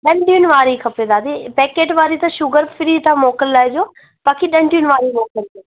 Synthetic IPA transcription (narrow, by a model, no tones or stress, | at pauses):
ɗəɳʈiːnʋaːɾiːkʰəpeːd̪aːd̪eːpɛːkeːʈʋaːɾiːt̪ãːʃʊɡəɾpʰɪɾiːt̪ãːmoːkəlːɛːd͡ʒoː | paːkiɗəɳʈuːnʋaːɾiːmoːkəld͡ʒe